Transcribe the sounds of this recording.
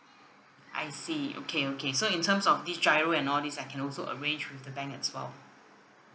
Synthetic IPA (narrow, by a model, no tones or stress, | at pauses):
ʔa̰ɪjsio̰kʰeokʰesoĩntʰə̃msɔfdisd͡ʒaɪɹoɛ̃nɔldisaɪkʰɛ̃nɔlsoʔə̰ɹẽnd͡ʒwifdəbɛ̃ŋkɛ̰tswɛ̰l